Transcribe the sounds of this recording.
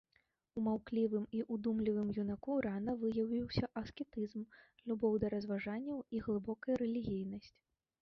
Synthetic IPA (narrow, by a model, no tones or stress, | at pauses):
umawklʲivɨmiʔud̪umlʲivɨmjunakuɾanɐvɨjɐwvʲiwsʲɐʔɐskʲɛt̪ɨzmlʲubɔwd̪ɐɾɐzvaʐanʲːɐwiɣlˠɨbɔkɐjɐɾɛlʲiɣʲijnɐsʲt͡sʲ